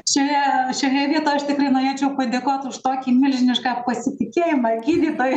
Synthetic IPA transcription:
ʃʲoːjɛʃʲoːjɛʋʲiɛt̪oːjɐʃt̪ʲɪkrɐɪnoːɾʲeːt͡ʃʲɛʊpɐd̪ʲeːkoːt̪ʊʃt̪oːkʲiːmʲɪlʲʒʲɪnʲɪʃkɑpɐsʲɪt̪ʲɪkʲeːjɪmɑɡʲiːd̪ʲiːd̪oːj

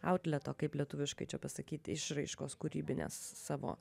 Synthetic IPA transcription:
ɐʊt̪ʲlʲɛt̪oːkɐɪplʲiɛt̪ʊʋʲɪʃkɐɪt͡ʃʲɛpɐsɐkʲiːt̪ʲɪʃɾɐɪʃkoːskʊɾʲiːbʲɪnʲḛsːɑːʋo̰ː

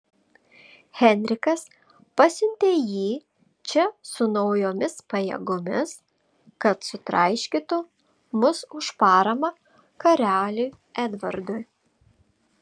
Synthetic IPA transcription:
xʲɛnʲɾʲɪkɐs | pɐsʲɪnʲt̪ʲeːjiː | t͡ʃʲɛsʊnɒʊjoːmʲɪspɐjɛ̰ɡʊmʲɪs | kɐt̪sʊt̪ɾɐ̰ɪʃʲkʲiːt̪ʊ | mʊsʊʃpɑːɾɐmɐ | kɐɾʲæːlʲuɪ | ɛd̪ʋɐɾd̪ʊj

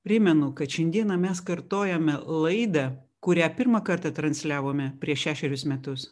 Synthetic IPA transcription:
pʲɾʲɪmʲɛnʊkɐt̪ʃʲɛnd̪ʲiɛnɐmʲɛskɐɾt̪oːjɛmʲɛlˠɐɪd̪ɐ | kʊɾʲæːpʲɪɾmɐkɐɾt̪ɑt̪ɾɐnʲsʲlʲæːʋoːmʲɛpʲɾʲiɛʃʲæːʃʲɛɾʲʊsmʲɛt̪ʊs

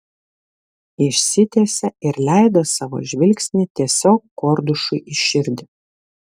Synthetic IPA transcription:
ɪʃʲsʲɪt̪ʲeːsʲɛɪɾlʲæˑɪd̪oːsɑːʋo̰ːʒʲʋʲɪlʲksʲnʲɪt̪ʲiɛsʲoːkːkːoːɾd̪ʊʃʊɪʔɪʃʲɪɾʲd̪ʲɪ

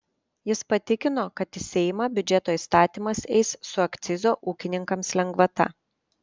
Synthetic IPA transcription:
jɪspɐt̪ʲɪkʲɪnoːkɐt̪ɪsʲɛːjɪmɑbʲʊd͡ʒʲɛt̪oːiˑst̪ɑːt̪ʲiːmɐsɛ̰ɪsːʊɐkt̪sʲɪzoːʔuːkʲɪnʲɪŋkɐmslʲɛŋɡʋɐt̪ɐ̰

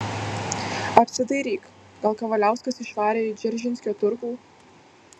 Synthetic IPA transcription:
ɐpʲsʲɪd̪ɐɪɾʲiːk | ɡ̥ɐlˠkɐʋɐlʲæˑʊskɐsɪʃʋɑːɾʲeːɪd͡ʒʲɛɾʲʒʲɪnsʲkʲoːt̪ʊɾkuː

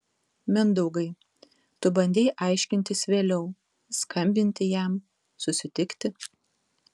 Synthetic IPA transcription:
mʲɛnd̪ɔʊɡɐɪ | t̪ʊbɐnʲd̪ʲeːjʔɐɪʃʲkʲɪnʲt̪ʲɪsʋʲeːlʲɛʊ | skʰɐmʲbʲɪnʲt̪ʲɪjæˑm | sʊsʲɪt̪ʲɪkt̪ʲɪ

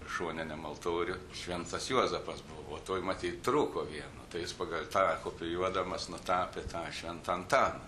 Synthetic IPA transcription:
ʃuɔnʲɛnʲɛmɐlˠt̪oːɾʲʊʃʲʋʲɛnt̪ɐsjuɔzɐpɐsbʊʋoːt̪oːjmɐt̪ʲiːt̪t̪ɾuːkoːʋʲiɛnʊ̰t̪ɐɪjɪspɐɡɐlʲt̪ɑːkoːpʲɪjuɔd̪ɐmɐsnʊt̪ɑːpʲet̪ɑːʃʲʋʲɛnt̪ɐnt̪ɑːnɐ

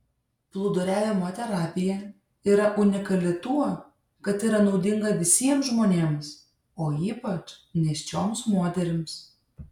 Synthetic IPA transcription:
plˠʊd̪ʊɾʲæːʋʲemoːt̪ʲɛɾɑːpʲɪjɛ | iːɾɐʔʊnʲɪkɐlʲɪt̪uɔ | kɐt̪iːɾɐnɒʊd̪ʲɪŋɡɐʋʲɪsʲiɛmsʒmoːnʲeːms | oːiːpɐt͡ʃnʲɛsʲt͡ʃʲoːmsmoːt̪ʲɛɾʲɪms

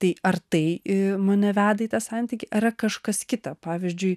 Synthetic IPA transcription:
t̪ɐɪɐrt̪ɐɪmɐnʲɛʋʲæːd̪ɐit̪ɐsɑːnʲt̪ʲiːkʲɪʔɐɾɐkɐʃkɐskʲɪt̪ɐpɑːʋʲɪzʲd͡ʒʲʊɪ

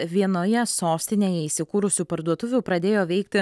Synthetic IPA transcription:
ʋʲiɛnoːjɛsoːsʲt̪ʲɪnʲeːjɛiːsʲɪkuːɾʊsʲuːpɐɾd̪uɔt̪ʊʋʲʊːpɾɐd̪ʲeːjoːʋʲɛɪkt̪ʲɪ

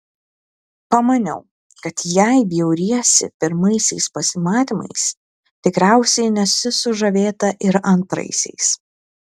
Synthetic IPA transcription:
pɐmɐnʲɛ̰ʊ | kɐt̪jæɪbʲjɛʊɾʲiɛsʲɪ̰pʲɪɾmɐɪsʲɛɪspɐsʲɪmɑːt̪ʲimɐ̰ɪs | t̪ʲɪkɾʲæˑʊsʲɛɪnʲɛsʲʊsʊʒɐʋʲeːt̪ɐʔɪɾɐnt̪ɾɐ̰ɪsʲɛ̰ɪs

